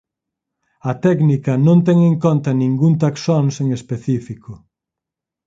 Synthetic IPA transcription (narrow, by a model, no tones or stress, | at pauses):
ɐt̪ɛknikɐnõnt̪ɛŋeŋkont̪ɐnĩŋɡunt̪aksonseŋespeθifikʊ